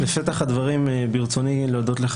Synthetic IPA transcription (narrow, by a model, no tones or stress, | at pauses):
leʃet̪aχhad̪vaʁimbiʁt͡so̞nileːd̪o̞t̪leχ